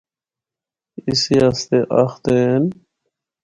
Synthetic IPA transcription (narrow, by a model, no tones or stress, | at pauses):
isiast̪eʔɐxt̪en